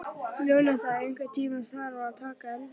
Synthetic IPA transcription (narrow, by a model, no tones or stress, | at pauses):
lonatajɪŋkɐtiːmɐsarwaːtaːkɐl